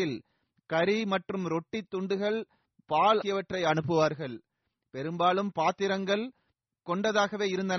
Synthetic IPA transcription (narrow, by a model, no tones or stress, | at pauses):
ɪl | kɐɾimɐʈrɯmɾɔʈːit̪ːʊɳɖɯɣɐɭ | paːlɪjɐʋɐʈːrɐɪɐnɯpːɯʋaːɾɣɐɭ | pɛɾɯmbaːlɯmpaːt̪ːɪɾɐŋɡɐɭ | kɔɳɖɐðaːɣɐʋeːɪɾɯnd̪ɐn